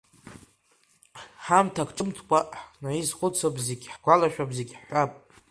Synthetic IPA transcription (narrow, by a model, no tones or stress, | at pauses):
ħamtʰakʷʰʈ͡ʂʼɨmtʰkʷʼaħnaizχʷʊt͡sʰabʼzeɡʲħɡʷalaʃᶣabzeɡʲħħʷapʼ